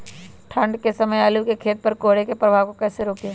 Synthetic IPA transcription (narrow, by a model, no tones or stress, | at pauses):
ʈʰə̃ɳɖkesɐməjɐlukekʰeːt̪̚pɐɾkoːɽekepɾəbʱaːʋkokɛːseɾoːkeː